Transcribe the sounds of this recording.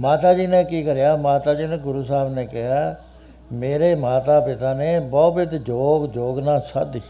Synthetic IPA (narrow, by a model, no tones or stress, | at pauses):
maːt̪aːd͡ʒiːnẽːkiːkəɾejaːmaːt̪aːd͡ʒiːnẽːɡʊɾuːsaːbnẽːkɪɦaː | meːɾeːmaːt̪aːpɪt̪aːneːbɔːbɪt̪d͡ʒoːɡd͡ʒoːɡnaːsa̰d̪iː